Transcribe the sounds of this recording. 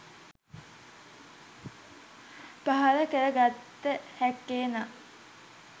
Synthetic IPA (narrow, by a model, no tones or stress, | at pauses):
paɦaɾəkəɾəɡat̪ːəhækːeːna